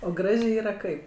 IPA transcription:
oː ˈɡrɑːʒʲeː ˈiːrɐ ˈkɐɪp

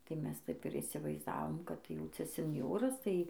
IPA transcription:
tɐɪ ˈmʲɛs ˈtɐɪp ɪr iːsʲɪʋɐɪzˈdɑːʋoːm kɐt ˈjɛʊ ˈt͡sʲɛ sʲɛnʲˈjoːrɐs tɐɪ

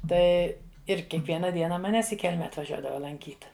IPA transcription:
ˈtɐɪ ɪr kʲiɛkˈʋʲiɛnɐ ˈdʲiɛnɐ mɐˈnʲæːs ɪ ˈkʲɛlʲmʲɛ ɐtʋɐˈʒʲuɔdɐʋɐ lˠɐŋʲˈkʲiːt

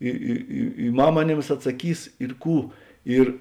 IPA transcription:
ˈɪ ɪ ɪ ɪ ˈmɐm ɐˈnʲeːms ɐtsɐˈkʲiːs ɪr ˈkuː ˈɪr

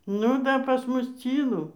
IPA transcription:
nʊ ˈdɐ pɐs ˈmʊs ˈt͡sʲiːlˠʊ

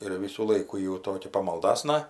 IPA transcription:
ɪr ˈʋʲiːsuː ˈlˠɐɪkuː jɪ jɛʊ ˈtoːkʲɛ pɐmɐlˠˈdɑːsnɐ

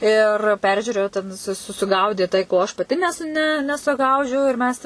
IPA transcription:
ɪr ˈpʲɛrʲʒʲuːrʲeːjʊ tʲɛn sʊ sʊˈɡɐʊdʲeː tɐɪ koː ɐʃ pɐˈtʲɪ nʲɛs ˈnʲɛ nʲɛsʊˈɡɐʊd͡ʒʲɛʊ ɪr ˈmʲɛs

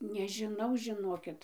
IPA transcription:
nʲɛʒʲɪˈnɐʊ ʒʲɪˈnoːkʲɪt

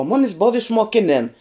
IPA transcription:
oː ˈmʊmʲɪs boːw ɪʃmoːˈkʲɪnʲeːn

